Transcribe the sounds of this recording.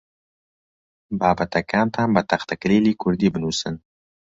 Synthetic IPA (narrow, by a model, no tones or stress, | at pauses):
baːbat̪akaːmt̪ʰaːmbat̪aχt̪aklelikʊɾd̪ibnuːsən